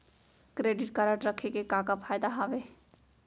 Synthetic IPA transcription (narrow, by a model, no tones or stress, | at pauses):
kɾeːɖɪʈ̚kəɾəʈɾəkʰekekakapʰaːjd̪aɦaʋe